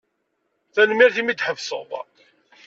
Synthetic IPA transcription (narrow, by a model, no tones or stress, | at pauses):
θænmiɾθimid̪ħəvsə̰ðˤ